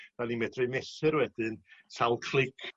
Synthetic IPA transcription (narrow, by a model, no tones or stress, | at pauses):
ðanimɛdrɨnɛsɨɾwɛdɨnsalˠkʰl̥ɪkʰ